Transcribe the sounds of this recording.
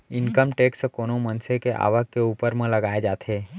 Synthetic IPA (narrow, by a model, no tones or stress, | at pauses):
ɪnkəmʈeːkskoːnomə̃nsekeʔa̰ːʋəkkeuːpəɾmẽləɡaːed͡ʒaːt̪ʰeː